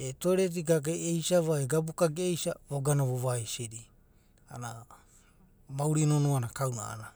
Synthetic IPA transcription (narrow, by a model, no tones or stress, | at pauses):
etoeɾet̬iɡaɡajejsaβaeɡabukaɡejsaβoɡanaβoβaesiɾi | ana | mawɾinonuanakawnaa̰na